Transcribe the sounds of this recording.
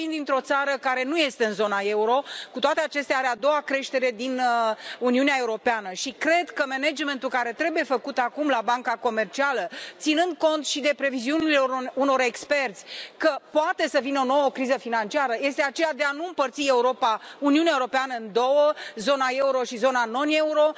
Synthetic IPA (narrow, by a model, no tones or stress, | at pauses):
ind̪int̪ɾo̞t̪saɾəkaɾe̞nuje̞st̪e̞ɨnzo̞nae̞uɾo̞kut̪oat̪eat͡ʃe̞st̪eaaɾead̪o̞wakɾe̞ʃt̪e̞ɾe̞d̪inuniuneae̞uɾo̞peanəʃikɾe̞d̪kəmened͡ʒme̞nt̪ulkaɾe̞t̪ɾe̞buje̞fəkut̪akumlabaŋkako̞me̞rt͡ʃialət̪sinɨnd̪̚ko̞nt̪ʃid̪e̞pɾe̞viziunilo̞ɾuno̞ɾe̞kspe̞rt̪sʲkəpoat̪e̞səvineo̞no̞wokɾizəfinant͡ʃiaɾəje̞st̪e̞at͡ʃe̞jad̪e̞anuɨmpərt̪sie̞uɾo̞pauniuneaeuɾo̞peanəɨnd̪o̞wəzo̞nae̞uɾo̞ʃizo̞nano̞ne̞uɾo̞